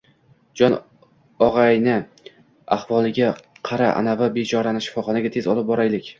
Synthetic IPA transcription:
d͡ʒɒn | ɒʁɑjnɪ | aχvɒlˠɪɡʲaqʰɑɾaʔa̰navɪbet͡ʃʰɒɾanɪʃɪ̥fɒχɒnaɡʲat̪ʰe̞zɒlˠɪp̚bɒɾajlɪkʲ

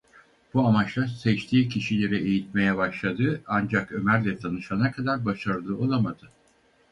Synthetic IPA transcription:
b̥uamat͡ʃlˠaɾsɛt͡ʃt̪ʰiːcʰiʃilʲe̞ɾɛejit̪̚me̞jɛbaʃlˠad̪ɯand͡ʒakø̞mæɾlʲɛt̪ʰanɯʃanakʰad̪aɾbaʃaɾɯlˠɯːo̞lˠamad̪ɯ

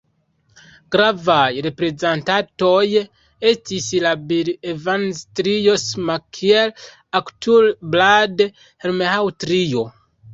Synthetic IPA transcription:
ɡɾavajɾepɾezãntatoje | etisilabiɾevanstɾijosmakʰiel | aktulblade | heɾmehawtɾijo

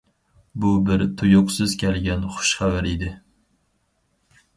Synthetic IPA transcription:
bʊbɪɾt̪ʰʊjʊqsɨzkʲʰælɡʲɛnχʊ̥ʃχævæɾid̪ɪ

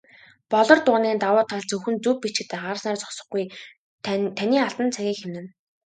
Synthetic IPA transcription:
pɔɮɞ̆rt̪ʊniːnt̪awʊːt̪ʰːaɮt͡sɵwxɵ̆nt͡sɵpːit͡ɕɪ̆t̪eːχaɾsnaːrt͡sɔ̥sɞ̆χɡuj | t̪ʰænʲiːaɬt̪ə̆nt͡sʰæɣʲiːkxemnɘ̆n

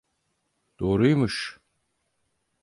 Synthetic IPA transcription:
d̪̥oːɾujmuʃ

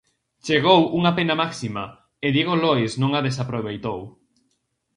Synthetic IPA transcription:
t͡ʃeɣ̞owʔuŋapenamaksima | eðjeɣoloesnõŋaðes̬apɾoβ̞ejt̪ow

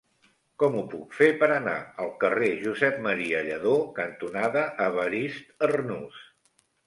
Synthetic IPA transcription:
kɔmupukfepəɾəna̰əlˠkəreʒuzɛp̚məɾiəʎəðokənt̪unaðəʔːβəɾist̪ərnus

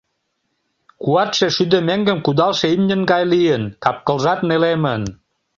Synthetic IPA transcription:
kuɑt̪ʃe̽ʃyd̪ə̆meŋɡə̆mkud̪ɑlʃeymnʲə̆nɡɑjlijənkɑp̚kə̆lʒɑt̪nelemən

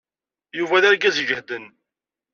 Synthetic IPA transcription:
juvæðæɾɡæzʒəhd̪ən

